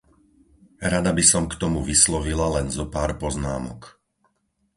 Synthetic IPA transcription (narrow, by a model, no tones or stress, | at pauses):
ɾad̪abisɔmkt̪ɔmuʋislɔʋilalɛnzɔpaːɾpɔznaːmɔ̰k